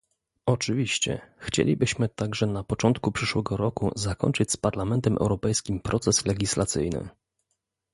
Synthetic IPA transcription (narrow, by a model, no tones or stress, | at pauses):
ɔt͡ʂɘvʲiɕt͡ɕɛ̰xt͡ɕḛlʲibɘɕmɘt̪aɡʐɛnapɔt͡ʂɔnt̪kupʂɘʂwɛɡɔɾɔkṵzakɔ̰ɲʲt͡ʂɘt͡ɕspaɾlamɛnt̪ɛmʔɛ̰wɾɔpɛjskʲimpɾɔt̪sɛslɛɡʲislat̪sɘ̰jnɘ̰